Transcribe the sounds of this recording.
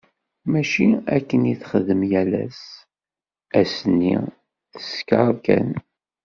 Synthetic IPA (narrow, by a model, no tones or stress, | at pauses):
mæʃiækːənjiθχəðəmjælæ̰s | æsənːḭ | θə̥skaɾˤkæ̰n